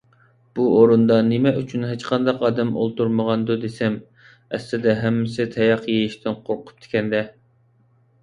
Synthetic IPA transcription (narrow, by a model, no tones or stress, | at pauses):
b̥uʔoɾund̪ɑnemɛʔyt͡ʃʰynɦet͡ʃqʰɑnd̪ɑqɑːd̪ɛmo̰lˠt̪uɾməʁɑnd̪ud̪esɛm | ɛ̰slɪd̪ɛɦɛmːɪsɪt̪ʰɛjɑqjejiʃt̪ʰɪnqʰoɾqʰʊ̥p̚t̪ʰe̥kʲʰɛnd̪ɛ